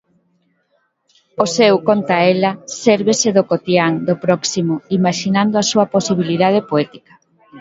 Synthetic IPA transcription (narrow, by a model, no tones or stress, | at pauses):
osɛwkont̪aɛlɐsɛɾβeseðokot̪jaŋd̪opɾɔksimoimaʃinand̪oasuɐposiβ̞iliðað̞epoɛt̪i̥kɐ̥